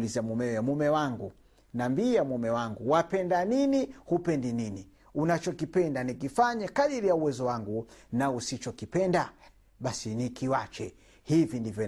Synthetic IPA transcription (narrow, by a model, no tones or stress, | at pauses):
lizamumɛɔjamumɛwaŋɡu | nambiamumɛwaŋɡuwapɛndaninihupɛndinini | unat͡ʃɔkipɛndanikifaɲakaɗiɾijauwɛzɔwaŋɡunausit͡ʃɔkipɛnda | ɓasinikiwat͡ʃɛ̰ | hivindivjɔ